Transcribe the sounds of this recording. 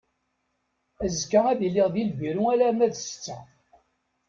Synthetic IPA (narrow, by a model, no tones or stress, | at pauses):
æzkːææðilːɪʁðilʝiɾuælæmæðst͡sːæ